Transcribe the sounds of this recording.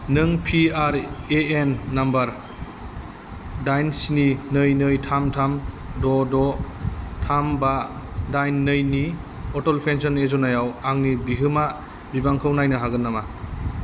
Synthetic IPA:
nɯŋpʰiaɾeenːambaɾ | dajnsininɯjnɯjtʰamtʰam | dɔdɔ | tʰambadajnːɯjni | ɔtɔlpʰensɔnezɔnajawaŋnibiɦɯma | bibaŋkʰawnajnɯɦaɡɯnːama

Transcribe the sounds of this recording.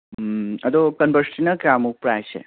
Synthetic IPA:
ət̪okənbəɾsʈinəkɾamupɾajt͡ʃʰḛ

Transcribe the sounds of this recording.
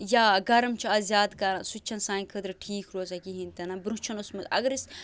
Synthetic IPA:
jaːɡɐɾɐmt͡ʃʰuɐzʲjaːd̪kɐɾasut͡ʃʰɐnsaːnkʰəd̪ɾɨʈʰiːkʰɾoːzakiɦint̪ɐnabɾũt͡ʃʰɐnosmɐt̪ɐ̰ɡɾis

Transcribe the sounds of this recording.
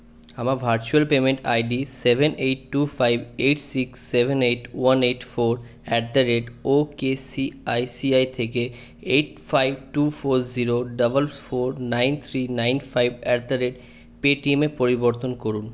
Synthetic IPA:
amaɾbʱaɾt͡ɕualpemeɳʈa̰jɖisebʱeneʈːufajbʱeʈsiksːebʱeneʈwaneʈfoɾ | ɛɾd̪aɾeɖokesiajsiajt̪ʰeke | eʈfajb̚ʱʈufoɾziɾoɖʌbəlfoɾnajnt̪ʰɾinajnfajbɛɾd̪aɾeɖ | peʈimepoɾiboɾt̪onkoɾun

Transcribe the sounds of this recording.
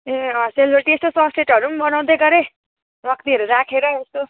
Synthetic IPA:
eʌseljɾʈiest̪osʌsʈeʈɦʌɾumbʌnaw̃d̪eɡʌɾe | ɾʌkt̪iʌɾuɾakʰeɾʌest̪o

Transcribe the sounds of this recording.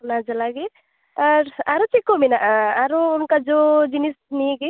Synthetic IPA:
nad͡ʒalaɡe | əɾaɾot͡ʃikominaʔaɾoːnkad͡ʒod͡ʒinisniki

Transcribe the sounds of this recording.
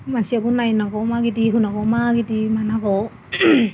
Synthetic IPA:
mansiabunːajnaɡɔmaɡidiɦunakɔwmaɡidimanakɔw

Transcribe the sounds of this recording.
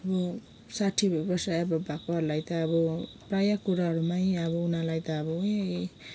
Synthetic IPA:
ʌbʌ | saʈʰibʌrsaebʌbʱakoɦʌɾulajt̪ʌːbʌprajakuɾaɦʌɾumaiʌbʌunalajt̪ʌːbʌe

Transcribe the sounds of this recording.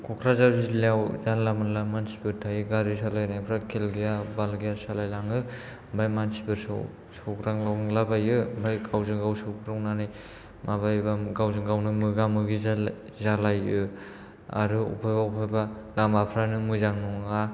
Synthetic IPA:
kʰɔkʰɾazawzileawzanlamɯlamansi̥bɯɾtʰajɯɡaɾisalajnajpʰɾakʰelɡijabalɡijasalajlaŋɯ | mbʱajmansibɯɾsɔ̰ | sɔɡɾaŋlawlabajɯmbajɡawzɯŋɡawsɯkɾawnanaj | maβajbaɡawzɯŋɡawnɯmɯɡamɯɡiz | zalajɯ | a̰ɾɯṵpʰajbaupʰajbalamapʰɾanɯmɯjzaŋnuŋa

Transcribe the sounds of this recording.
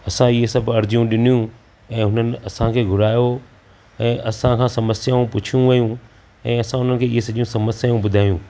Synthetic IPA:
ɐsãɪɦesɐbʱɐɾd͡ʑijũɗɪnijũ | ɛ̃ːɦʊnənɪ̆ɐsãkʰeːɡʱʊɾaːjo | ɛ̃ːʔɐsãkʰãːsɐməsjaːũpʊt͡ʃʰijũʋɐjũ | ɛ̃ːɐsãɦʊnənɪkʰeːɪɦesɐʄijũsɐməsjaũbʊd̪ʱaːjũː

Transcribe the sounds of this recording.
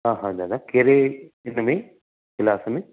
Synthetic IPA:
ɦãːɦãd͡ʒad̪akeɾe | ɪnmẽ | kɪlaːsmẽ

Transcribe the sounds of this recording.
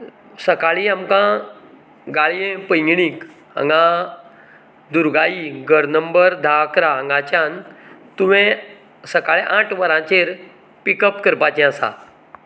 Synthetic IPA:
səkaɭiamkã | ɡaɭijẽpəjŋɡɽiːk | ə̰̃ŋɡã | d̪uɾɡaiɡəɾnəmbəɾd̪ʱakɾaə̃ŋɡat͡ɕjãnt̪uʋẽ | səkaɭeʔãʈʰʋəɾãt͡ɕeɾ | pikəpkəɾpat͡ɕɛ̃əsa̰

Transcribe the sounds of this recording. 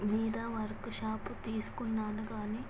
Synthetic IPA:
miːd̪aːʋɐɾkʃaːpt̪iːsu̥kunːaːnɐkaːniː

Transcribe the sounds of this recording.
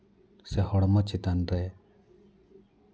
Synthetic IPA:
sehɔɽmɔt͡ʃit̪anɾej

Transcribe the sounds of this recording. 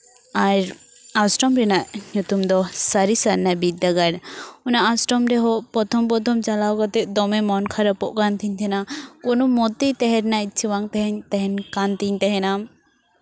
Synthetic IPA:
aɾ | asʈɔmɾɛnaʔɲut̪umd̪ɔsaɾisaɾnabid̪ːaɡaɽɔnaʔasʈɔmɾɛɦɔʔpɔt̪ʰɔmpɔt̪ʰɔmt͡ʃalawkɔt̪ɛʔd̪ɔmɛmɔnkʰaɾapɔʔkant̪iɲt̪ʰɛnakɔnɔmɔt̪it̪ɛɦɛɾnait̪̚t͡ʃʰiwaŋt̪ɛɦɛɲt̪ɛɦɛnkant̪iɲt̪ɛɦɛnam

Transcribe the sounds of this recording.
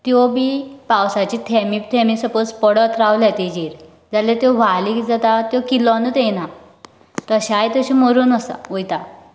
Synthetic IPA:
t̪jɔbipawsat͡ɕit̪ʰɛmik̚t̪ʰɛmisəpət͡spəɽət̪ɾawlat̪id͡ʑiɾ | d͡zalet̪jɔʋaliːkd͡zat̪at̪jɔkilɔnət̪ejna | t̪əɕajt̪əɕiməɾuːnəsa̰ojt̪a

